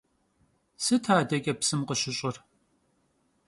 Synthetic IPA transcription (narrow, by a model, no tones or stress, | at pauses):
sɨtʰaːdɐkʲʼɐpsɨmqəɕɪɕʼɪr